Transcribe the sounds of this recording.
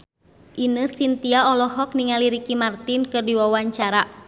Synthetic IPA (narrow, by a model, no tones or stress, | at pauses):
ʔinəsint̪iaɔlɔhɔk̚niŋaliɾikimart̪inkɨrdiwawaɲt͡ʃaɾa